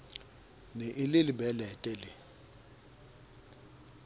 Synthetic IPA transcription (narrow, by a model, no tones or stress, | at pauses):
neʔɪlɪlɪbɛlɛtʼɛlɪ